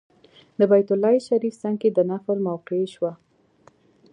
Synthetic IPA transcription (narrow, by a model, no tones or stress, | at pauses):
d̪əbajt̪ʊlːɑjʃaɾifsaŋked̪ənafəlmawqeʃwa